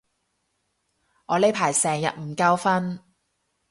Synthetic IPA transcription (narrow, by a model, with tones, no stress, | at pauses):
ŋɔː˨˧le˨˥jpʰaː˨˩jsɛː˨ŋjɐ̰˨t̚m̩˨˩kɐ˧wfɐ˥n